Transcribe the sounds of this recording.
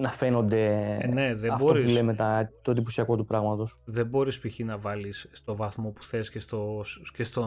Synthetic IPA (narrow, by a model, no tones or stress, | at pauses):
nɐfeno̞nd̪e̞ne̞ðeɐfbooɾiulemet̪ɐt̪o̞ðiposiɐko̞t̪upɾɐɣmɐt̪o̞sðe̞bo̞ɾispiçinɐvɐlisːt̪o̞vɐθmo̞pu̥θe̞scest̪oscest̪o